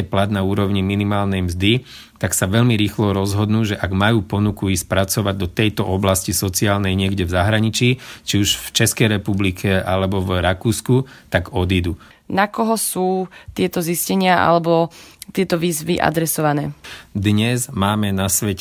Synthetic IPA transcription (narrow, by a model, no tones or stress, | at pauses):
ɛplad̪nauːɾɔʊɲiminimaːlnɛjmzd̪i | t̪aksaʋɛʎmiɾiːxlɔɾɔzɦɔd̪nuːʒɛʔaɡmajuːpɔnukuiːsc̚pɾat͡sɔʋaɟ̚d̪ɔt̪ɛjt̪ɔʔɔblascisɔt͡siaːlnɛjɲɪɛɡɟɛvzaɦɾaɲit͡ʃiːt͡ʃiuʒft͡ʃɛskɛjɾɛpublikʰɛʔalɛbɔvɾakuːskut̪aɡɔd̪id̪u | nakɔɦɔsuːt̪ɪɛt̪ɔziscɛɲɪaʔa̰lɛbɔt̪ɪɛt̪ɔʋiːzʋiʔa̰d̪ɾɛsɔʋanɛːd̪ɲɛzmaːmɛnasʋɛc